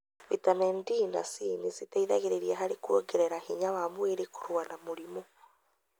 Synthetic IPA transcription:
βitanɛndiːna̰sinisitaiðaɣeɾeɾiaɦaɾekwoɡeɾɛɾahiɲawamweɾeko̥ɾwanamoɾimo

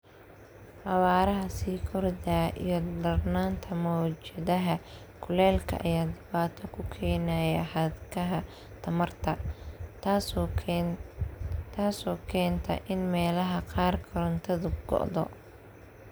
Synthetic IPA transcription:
hɐwaːɾɐɦɐsiːkʰɔrd̪ɐʔḭjɞd̪ɐrnaːnt̪ʰɐmɔːt͡ʃɐðɐɦɐ | kʰʊlɛːlkʰɐ̰ʔɐjaːd̪ɪβaːt̪ʰɔkʰʊkʰɛːnɐjɐħɐd̪kʰɐɦɐ | t̪ʰɐmɐrt̪ʰɐ | t̪ʰaːsɔːkʰɛːnt̪ʰɐ̰ʔɪnmɛːlɐɦɐqɑːrkʰɔɾɐnt̪ʰɐðʊɡ̥ɔ̰ʔðɔ̰

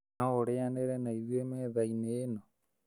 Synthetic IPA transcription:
aoɾeaneɾenaiðwemeːðaineːno

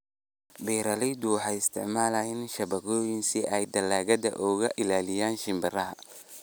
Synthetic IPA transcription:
bɛːɾɐlɛjd̪ʊħɑjɪst̪ʰɪʕmaːlɐjɪnʃɐβɐɣɔːjɪnsɪʔɛjd̪ɐlaːɣɐdɐ̰ʔɔːɣɐʔɪlaːlɪjaːnʃɪmbɐrɐɦɐ

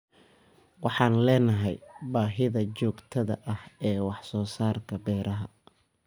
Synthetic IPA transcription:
wɑħɑːnlɛːnɐɦɛjbaːɦɪðɐt͡ʃɔːɡt̪ʰɐðɐ̰ʔɐhɛːwɑħsɔːsaːrkʰɐbɛːɾʔɐɦɐ̰

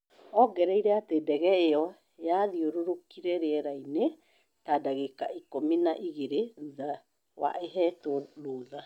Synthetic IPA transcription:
ɔɡɛɾɛiɾɛatedɛɣɛeɔ | jaðioɾoɾokiɾɛɾeɛɾaine | tadaɣekaikominaʔiɣeɾeða | wa̰ʔeɦɛtoloːða

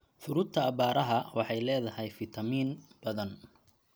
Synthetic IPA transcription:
fʊɾʊd̪̚t̪ʰɐːbaːɾɐɦɐwɑħɑjlɛːðɐɦɛjfɪt̪ʰɐmiːnb̥ɐðɐn

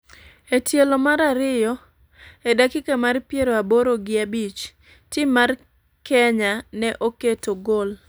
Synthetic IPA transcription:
etjelomaɾaɾɪjɔ | edakɪkamarpjeɾoaboɾoɡɪabit͡ʃ | tɪmːar | kɛɲanɛʔoketoɡol

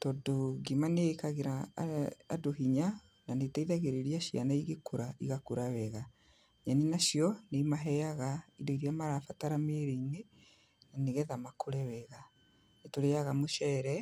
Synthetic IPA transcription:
tɔdoɡimanekaɣeɾaː | doɦiɲa | nanetaiðaɣeɾeɾiaʃia̰naiɣekoɾaiɣakoɾawɛɣa | ɲaninaʃjɔnemaɦɛjaɣaidoiɾiamaɾafataɾameɾeine | naneɣɛðamakʰoɾɛwɛɣa | netoɾejaɣamoʃɛɾɛ

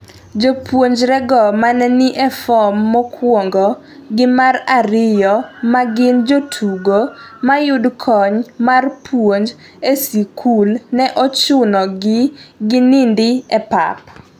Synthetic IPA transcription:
d͡ʒopwoɲd͡ʒɾɛɡɔmanɛnɪʔɛfɔmːɔkʰwɔŋɡɔ | ɡɪmaraɾɪjɔmaɡɪnd͡ʒotʰuɡomajʊdkʰɔɲmarpwoɲd͡ʒ | esikʰulnɛʔɔt͡ʃʊnɔɡɪɡɪnɪndɪɛpa̰p

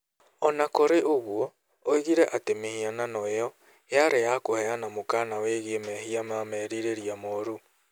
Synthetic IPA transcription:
ɔnakoɾeʔoɣwɔ | oiɣiɾɛʔatemehiananɔejɔ | jaɾejakohɛanamokanaweɣemɛhiamamɛɾiɾeɾiamɔɾu

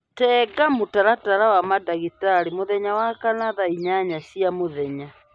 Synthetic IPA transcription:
tɛːɡamotaɾataɾawamadaɣitaɾimoðɛɲawakanaðaiɲaɲasiamoðɛɲa

